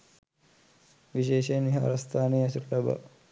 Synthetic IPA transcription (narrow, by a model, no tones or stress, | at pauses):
ʋiʃeːʃeːnʋiɦa̰ːɾɐst̪ʰaːneːɐsuʈlɐba̰